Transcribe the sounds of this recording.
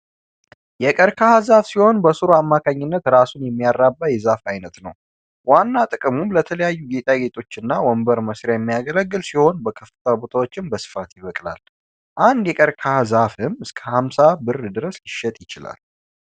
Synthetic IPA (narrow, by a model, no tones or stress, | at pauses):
jɛkʼəɾkʰahazafsiho̞nbəsɨɾoamːakʰaɲːɪnːət̪ɾasunjɛmːijarːabːajɛzafajnət̪nəw | wanːat̪ʼɨkʼɨmumlət̪ʰələjajːuɡet̪ʼaɡe̞t̪ʼo̞t͡ʃːɪnːawɔmbəɾməsɾjajɛmːijaɡələɡːɨlsiho̞nbəkʰəfɨt̪ʰabut̪ʰawo̞t͡ʃːɪnbəsɨ̥fat̪jɪβəkʼla̰l | ʔand̪jɛkʼəɾkʰahazafɨmɨskʰəhamsabɨrd̪ɨɾəslɪʃːɛt̪ʼjɪt͡ʃɪla̰l